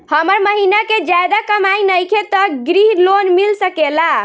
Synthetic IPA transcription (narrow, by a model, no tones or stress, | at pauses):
həməɾməɦinaked͡ʒad̪akəmainəjkʰet̪ɔɡɾiɦlonmilsəkela